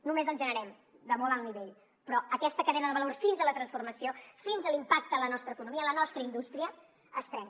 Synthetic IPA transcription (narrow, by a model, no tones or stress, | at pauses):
numezənʒənəɾɛm | d̪əmɔlˠəlˠniβeʎ | pɾɔəkɛst̪əkəðɛnəðəβəlorfinzələt̪ɾənsfurməsiofinzəlimpak̚t̪əələnɔst̪ɾəkunumiəələnɔst̪ɾəind̪ust̪ɾiə | əst̪ɾɛŋ